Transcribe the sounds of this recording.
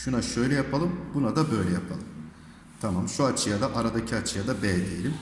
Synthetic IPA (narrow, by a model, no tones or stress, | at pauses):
ʃunaʃø̞jlʲɛjapʰalˠɯmbunad̪abø̞jlʲɛjapʰalˠɯm | t̪ʰamamʃuat͡ʃʰɯjad̪aʔaɾad̪acʰiat͡ʃʰɯjad̪abɛld̪ʲejelʲim